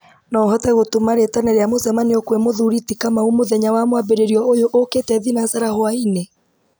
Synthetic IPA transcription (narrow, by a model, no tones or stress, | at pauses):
nɔɦɔtɛɣotomaɾetanɛɾeamozɛmaniokwɛmoðuɾitikamaumoðɛɲawamwabeɾeɾiɔojoʔoketɛðinasaɾahoaine